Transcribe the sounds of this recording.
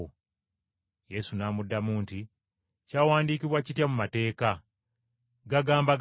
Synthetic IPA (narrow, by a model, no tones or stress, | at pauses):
o | je̞sunaːmudːamuːnti | caːwaːndiːkiβwacitjamumate̞ːka | ɡaɡaːmba